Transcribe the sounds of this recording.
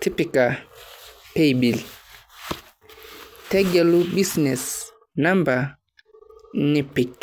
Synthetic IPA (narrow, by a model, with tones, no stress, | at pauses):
tʰi˦pi˨ka˨ | pe˦˨bi˨l | tɛ˦ɡɛ˨lu˦bi˦snɛ˨s | na˦mba˨ | ni˦pi˨k